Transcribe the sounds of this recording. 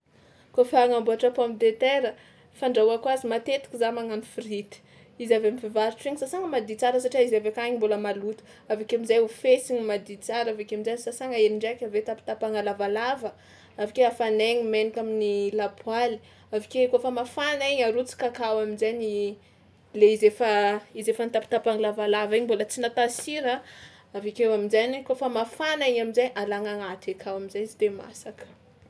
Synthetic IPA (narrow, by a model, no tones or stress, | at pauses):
kofaŋambuaʈ͡ʂapamd̪et̪eɾə | faɳɖ͡ʐauakuazimat̪et̪i̥kʲizamaŋanifɾit̪i̥ | izaveamifivaɾiʈ͡ʂeŋisasaŋəmad̪it͡saɾəsaʈ͡ʂiaizavekaɲimboləmalut̪u̥ | avakeamizajufesiɲmad̪it͡saɾavekeaminzajsasaŋəeniɳɖ͡ʐakʲavet̪api̥t̪apaŋalavalavə | avikeafaneŋimenikʲaminilapwali̥ | avikekofəmafanaiɲaɾut͡si̥kakawaminzajɲi | leizefəizefanit̪api̥t̪apaŋalavalaviɲbolət͡sinat̪asiɾə | avekewaminzaɲikofəmafanaiɲamizajʔalaŋaŋat̪akʰawaminzajizid̪ema̰sakə̥